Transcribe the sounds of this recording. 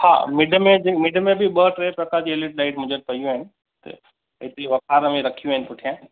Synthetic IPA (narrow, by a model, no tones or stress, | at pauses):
ha̰ːmɪɖʱəmẽmɪɖʱəmẽbɪɓəʈɾeːpɾɐkaːɾd͡ʑielɪʈlaːɪʈ̚mʊ̃ɦd͡ʑənɪ̆pɐjũaːɦɪnɪ̆ | t̪ɐ̰ | ɪt̪eʋɐkʰaːɾmẽɾɐkʰijũaɦɪnɪpʊʈʰijãː